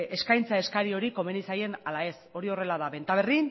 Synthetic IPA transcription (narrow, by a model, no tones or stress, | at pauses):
e̞skajnt͡sae̞skaɾio̞ɾiko̞me̞nisaje̞nalae̞so̞ɾio̞re̞laðaβe̞nt̪aβ̞e̞rin